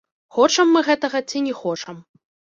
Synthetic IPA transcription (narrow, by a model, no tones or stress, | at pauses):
xɔt͡ʂɐmːɨɣɛt̪ɐɣɐt͡sʲinʲɛxɔt͡ʂɐm